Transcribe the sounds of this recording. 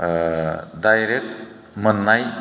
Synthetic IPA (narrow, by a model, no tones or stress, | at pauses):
dajɾek̚ | mənːaj